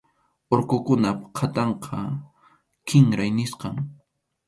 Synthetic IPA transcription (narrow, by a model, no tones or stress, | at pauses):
oɾkʊkʊnapqʰat̪ɑɴqʰɑ | kɪŋɾajnɪsqɑŋ